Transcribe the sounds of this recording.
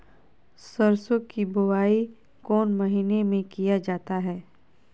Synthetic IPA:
səɾsokibʊwaːi | kɔːnmɐɦiːnemẽkijad͡ʒaːt̪aɦɛː

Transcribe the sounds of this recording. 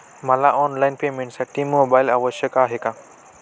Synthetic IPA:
mɐlaʔɔːnlajɪnpeːmẽɳʈsɐʈimːoːbaːjlɐʋəʃɐkaːɦekã

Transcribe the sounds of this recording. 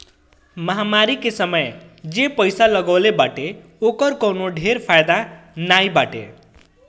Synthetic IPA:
mʌɦamaɾikesʌmʌjd͡zepʌjsalʌɡʌwlebaʈe | okʌrkʌwnoɖʱeɾpʰajd̪anajbaʈḛ

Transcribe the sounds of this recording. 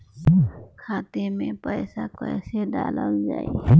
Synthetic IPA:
kʰaːt̪emẽpəɪsakəjseɖa̰ləld͡ʒaːi

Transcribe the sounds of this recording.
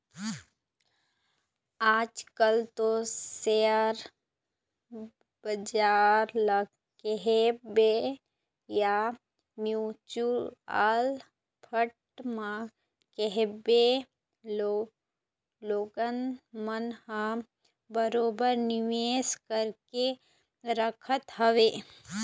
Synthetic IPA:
aːd͡ʒkəlt̪oseəɾ | bəd͡ʒaːɾl | keɦebe | ja | mjut͡ʃuɾaːl | pʰəʈ | mã | keɦebe | o | loːɡənmənhã | bəɾoːbəɾnɪʋeːskəɾke | ɾəkʰət̪ɦɐʋeː

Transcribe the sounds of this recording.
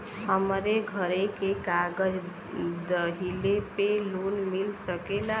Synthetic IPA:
həmɾeɡʱəɾekekaɡəd͡ʒ | d̪əɦilepelunmilsəkela

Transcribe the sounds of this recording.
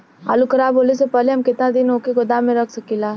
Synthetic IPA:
a̰ːlukʰɐɾaːbɦoːlesepɛɦleɦɐmkɪt̪nad̪ɪnoːkeɡod̪aːmẽɾɐkʰsɐkilaː

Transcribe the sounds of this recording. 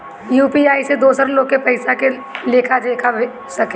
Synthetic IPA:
juːpiaːised̪oːsəɾloːɡ̚kepɐɪsake | leːkʰad̪eːkʰabe | sɐke

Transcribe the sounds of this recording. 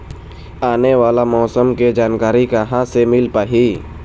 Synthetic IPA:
aːneʋaːlamɔːsəmked͡ʒaːnkaːɾikaɦãsemɪlpaːɦi

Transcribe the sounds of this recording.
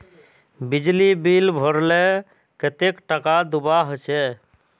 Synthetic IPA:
bid͡ʒlibilbʱoɾle | ket̪ekʈəkad̪ubaɦt͡ʃʰɛ

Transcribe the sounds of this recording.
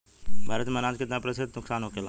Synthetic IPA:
bʱaːɾət̪meɐnaːd͡ʒkɪt̪napɾəsɪd̪nʊksaːnɦoːkelaː

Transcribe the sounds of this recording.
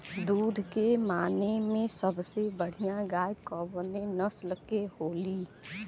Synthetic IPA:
d̪uːd̪ʱkemaːnemẽsəbsebəɽ̤ijãɡaːjkɔːbnenəslkehoːli

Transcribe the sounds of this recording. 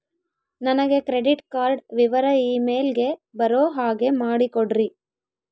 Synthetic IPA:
nɐnɐɡe̞kɾe̞ɖiʈkaːɾɖʋiʋɐɾɐiːme̞ːlɡe̞bɐɾoːɦaːɡe̞maːɽikoɽɾi

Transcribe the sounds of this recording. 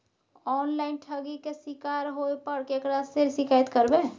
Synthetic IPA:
ɔːnlaːɪnʈʰəɡikesɪkaːɾɦoepəɽkeːkɾaseɾsɪkaːət̪kəɾbe

